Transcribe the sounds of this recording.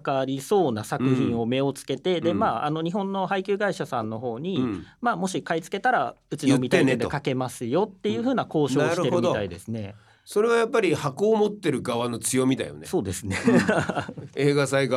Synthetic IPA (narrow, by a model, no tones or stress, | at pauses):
kaɾʲiso̞ːnasakɯ̟çĩɰ̃o̞me̞o̞t͡sɨ̥ke̞t̪e̞d̪e̞maːano̞ɲ̟iɦõ̞nːo̞ɦaikʲɨːɡaiɕasãnːo̞ɦo̞ːɲ̟imaːmo̞ɕikait͡sɨ̥ke̞t̪aɾaɯ̟t͡ɕiomʲit̪aened̪kake̞masɨjo̞t̪ːe̞jɯ̟ːɸɯ̟ːnako̞ːɕo̞ːiɾɯteɯmid̪ot̪aid̪e̞sɨne̞ | so̞ɾe̞βajapːaɾʲihako̞ːmo̞t̪ːe̞ɾɯ̟ɡaβano̞t͡sɨjo̞mʲit̪a̰jo̰neso̞ːd̪e̞sɨne | eːɡasaiɡ